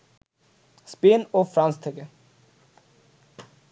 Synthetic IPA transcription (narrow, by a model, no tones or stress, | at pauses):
speːnoːfɾɑnst̪ʰeɡə